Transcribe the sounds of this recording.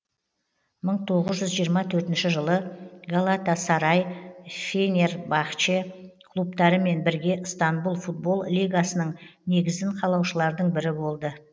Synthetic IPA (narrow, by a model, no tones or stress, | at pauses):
məɴt̪ʰo̞ʁəzʒʏzʒijəɾmɑt̪ʰɵɾt̪ɪnʃɪʒəlˠəɡalˠat̪asɑɾɑjfʲenʲerbɑχt͡ʃe̞kʰlˠup̚t̪ɑɾəme̞nbɪɾɡʲe̞st̪ɑnbulˠfut̪̚bo̞lˠlʲijɡasənəɴne̞ɡʲɪzd̪ɪɴqʰɑlˠɑwʃəlˠɑɾd̪əɴbɪɾɪbo̞lˠd̪ə